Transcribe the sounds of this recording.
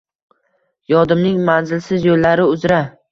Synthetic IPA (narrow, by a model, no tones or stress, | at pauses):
jɒd̪ɪmnɪŋmanzɪlsɪzjolːaɾɪʊzɾa